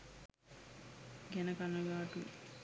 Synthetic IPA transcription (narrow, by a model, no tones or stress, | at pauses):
ɡɛnɐkɐnːɐɡaːʈu